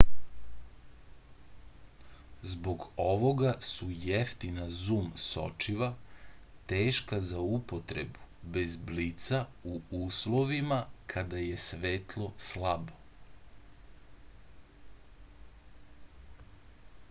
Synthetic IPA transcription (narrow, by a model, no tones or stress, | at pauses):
zbo̞ɡoʋo̞ɡasujeft̪inazuːmso̞̰t͡ʃiʋat̪eːʃkazaupot̪ɾebube̞zblit̪sauuːslˠo̞ʋimakʰad̪aje̞sʋeːt̪lˠo̞slˠabo